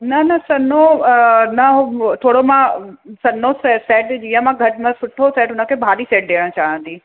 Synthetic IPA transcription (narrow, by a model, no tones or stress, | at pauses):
nɐnɐsɐnonɐɦot̪ʰoːɽomãsɐnosɛsɛːʈd͡ʑiːə̃mãɡʱɐʈmãsʊʈʰːosɛːʈʊnə̆kʰeːbʱaːliseːʈ̚ɗeːɽ̃t͡ɕaːɦə̃nd̪iː